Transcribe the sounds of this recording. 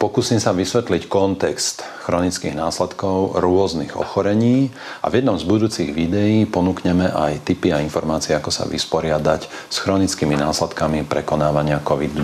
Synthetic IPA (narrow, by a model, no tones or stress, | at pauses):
pɔkuːsiːmsaʋisʋɛt̪lickɔnt̪ɛkst̪ | xɾɔnit͡skḭɣnaːslɛt̪kɔʊɾʊɔzniɣɔ̰xɔɾɛɲiː | ʔa̰vjɛd̪nɔmzbud̪uːt͡siɣʋid̪ɛjiːpɔnuːkɲɛmɛʔa̰jt̪ipiainfɔɾmaːt͡siɛakɔsa̰ʋḭspɔɾɪad̪ac | sxɾɔnit͡skiminaːslɛt̪kamipɾɛkɔnaːʋaɲɪakɔʋid̪